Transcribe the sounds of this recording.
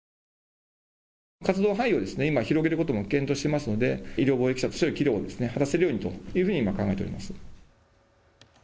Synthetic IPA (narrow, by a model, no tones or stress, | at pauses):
kat͡sɨd̪o̞ːɦãio̞d̪e̞sɨne̞imaçiɾo̞ɡe̞ɾɯ̟ko̞t̪o̞mo̞kẽ̞nt̪o̞ːɕi̥t̪e̞masɨno̞d̪e̞iɾʲjoːbo̞ːekʲi̥ɕat̪oɕioikʲiɾʲo̞̰ːd̪e̞sɨne̞hat̪ase̞ɾɯ̟jo̞ːɲ̟it̪o̞̰jɯ̟ːɸɯ̟ɲ̟imakãŋɡaeteɾima̰sɨ̥